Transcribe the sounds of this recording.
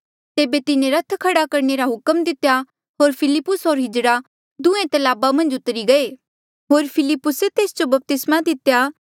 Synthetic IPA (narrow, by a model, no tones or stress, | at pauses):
t̪eːbet̪ɪnẽɾɐt̪ʰkʰɐɽakɐɾneɾaɦʊkəmd̪ɪt̪ja | ɦoːɾpʰɪlɪpːʊsɦoːɾɦɪd͡ʒɽa | d̪ʊ̃ẽt̪ɐlaːbamɐ̃nd͡ʒʊt̪ɾiɡɐeː | ɦoːɾpʰɪlɪpːʊset̪eːsd͡ʒobɐp̚t̪ɪsmad̪ɪt̪jaː